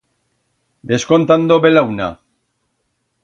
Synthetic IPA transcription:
d̪e̞sko̞nt̪and̪oβelawna̰

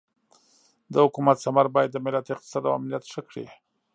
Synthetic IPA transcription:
d̪əhʊkumat̪samaɾbɑjad̪ːəmɪlat̪ɪq̚t̪ɪ̥sɑd̪awa̰mlijat̪ʂəkɽḭ

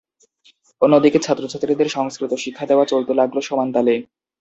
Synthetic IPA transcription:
onːod̪iket͡ɕʰat̪ːɾot͡ɕʰat̪ːɾid̪eɾʃɔŋskɾit̪oʃikʰːad̪eoat͡ɕolt̪elaɡloʃɔmant̪ale

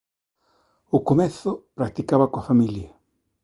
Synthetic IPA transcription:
ʊkomɛθʊpɾak̚t̪ikaβɐkoafamiljɐ

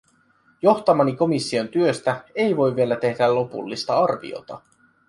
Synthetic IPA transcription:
jo̞xt̪ɑmɑniko̞misːio̞nt̪yøst̪æe̞jʋo̞jvie̞læt̪e̞hdælo̞pṵlːist̪ɑɑrʋḭo̰t̪ɑ

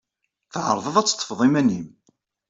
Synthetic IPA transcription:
θʕəɾˤðˤəðˤæt͡sːə̥t̪ˤːəfəðˤimænim

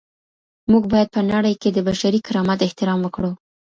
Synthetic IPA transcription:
muɡbɑjad̪̚pənaɽəjked̪əbaʃaɾikɪɾɑmat̪ɪht̪ɪɾɑmwəkɽu

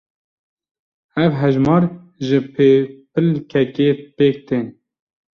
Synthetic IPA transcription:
ɛvɦɛʒmɑːɾ | ʒɪpʰepʰɨlkʰɛkeːpeːk̚t̪ʰeːn

